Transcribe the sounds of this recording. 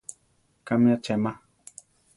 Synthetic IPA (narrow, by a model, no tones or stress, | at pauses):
kamjat͡ʃɛmã